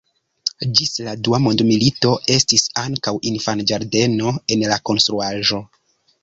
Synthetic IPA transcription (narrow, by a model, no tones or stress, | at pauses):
d͡ʒisladuamo̞ndmilito̞e̞stisaŋkawinfand͡ʒaɾde̞no̞e̞nlako̞nstɾuaʒo̞